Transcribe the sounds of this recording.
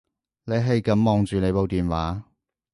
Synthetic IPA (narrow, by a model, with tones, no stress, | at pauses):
ne˨˧jɦɐ˨jkɐ˨˥mmɔː˨ŋt͡ʃyː˨ne˨˧jpo˨wt̪iː˨nwaː˨˥